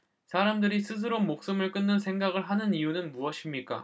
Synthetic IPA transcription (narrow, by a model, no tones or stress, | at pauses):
sʰaɾamdɯɾisʰɯs̬ʰɯɾomok̚s͈ɯmɯɭk͈ɯnːɯnsʰe̞ŋɡaɡɯɭɦanɯnijunɯnmuʌɕʰimɲik͈a̰